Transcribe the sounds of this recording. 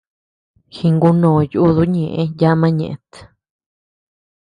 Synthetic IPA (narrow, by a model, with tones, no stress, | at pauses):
xi˧ŋɡu˧nõː˨ju˧ʔu˦ðu˦ɲẽ˨ʔẽ˧˦ja˦mã˦ɲḛ̃˨ʔe˧t̪